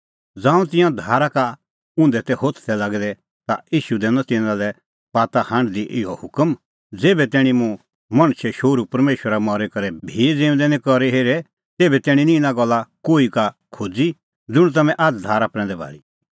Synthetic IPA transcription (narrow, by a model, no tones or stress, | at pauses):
d͡zãːũt̪ɪ̃jãd̪ʱaːɾaka | ʊ̃ːnd̪ɛt̪ɛhoːt̪ʰt̪ʰɛlaɡd̪ɛ | t̪aiːʃud̪ɛːnɔ̃t̪ɪ̃nãlɛ | paːt̪ahãɳɖd̪iʔɪɔhʊkəm | d͡zeːbɛt̪ɛːɽ̃ĩmũ | mɐ̃ɽ̃ʃʰɛʃoːɾupɐɾmeːʃwəɾamɔɾekɐɾɛbʱid͡zẽːʊ̃nd̪ɛnĩkɔɾeɦeːɾɛ | t̪eːbɛt̪ɛːɽ̃ĩnĩɪnãɡɔlːakoːikakʰoːd͡zi | d͡zʊɽ̃t̪̬ɐmɛ̃ʔad͡zd̪ʱaːɾapɾɛ̃ːnd̪ɛbʱa̰ːɭi